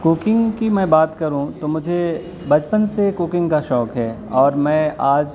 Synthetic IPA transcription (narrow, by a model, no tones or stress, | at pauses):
kuːkɪ̃ŋɡkimɛ̃ːbaːt̪kɐɾũt̪omʊd͡ʒʱe | bɐd͡ʒpənsekʊːkɪ̃ŋɡkaʃɔːkɦɛː | ɔːɾmɛ̃ːaːd͡ʒ